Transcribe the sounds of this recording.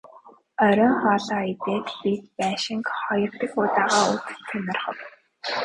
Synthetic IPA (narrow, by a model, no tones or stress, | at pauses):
œɾɞ̆ŋχɔːɮaːit̪eːt̪pit̪̚pæːʃɪ̆ŋkχɔjɞ̆rt̪ə̆xʊːt̪aːʁaːut͡st̪ʰːæmʲɪ̆rχə̆w